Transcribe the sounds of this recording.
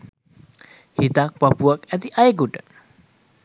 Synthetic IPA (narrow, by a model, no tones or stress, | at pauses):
hit̪ak̚pəpuakɛt̪iʔajɡuʈə